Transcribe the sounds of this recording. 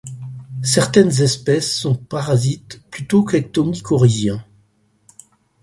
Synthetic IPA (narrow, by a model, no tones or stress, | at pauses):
sɛʁt̪ɛnzɛspɛsːɔ̃paʁazit̪plyt̪okak̚t̪ɔmikʰɔʁezjɛ̃